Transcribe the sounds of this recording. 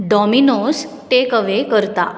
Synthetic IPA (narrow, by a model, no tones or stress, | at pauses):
ɖɔminos | ʈekəʋekəɾt̪a̰